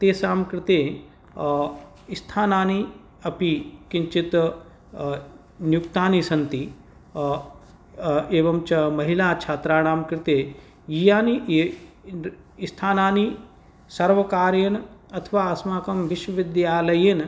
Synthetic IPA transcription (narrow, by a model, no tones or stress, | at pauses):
t̪eːsaːmkɾɪt̪eː | ist̪ʰaːnaːni | ɐpikiɲt͡ʃit̪ | njukt̪aːnisɐnt̪i | eːʋɐmt͡ʃɐmɐɦilaːt͡ʃʰaːt̪ɾaːɽ̃aːmkɾɪt̪eː | jijaːni | st̪ʰaːnaːni | sɐɾʋɐkaːɾjɐnɐt̪ʰʋaːɐsmaːkɐmʋiʃʋɐʋid̪jaːlɐjen